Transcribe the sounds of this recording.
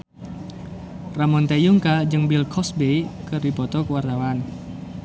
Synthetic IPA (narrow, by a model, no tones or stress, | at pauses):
ramɔnt̪ɛjuŋkad͡ʒɨŋbilkʰɔsbeikɨrdipɔt̪ɔkəwart̪awan